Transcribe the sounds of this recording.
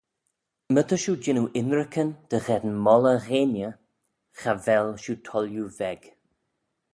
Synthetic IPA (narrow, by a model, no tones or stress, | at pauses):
mət̪əʃud͡ʒɪnuʔɪnɾəkʰənd̪̥əɣɛd̪nmɔləɣeːnjə | xavɛlʃutʰɔljuvɛɡ̥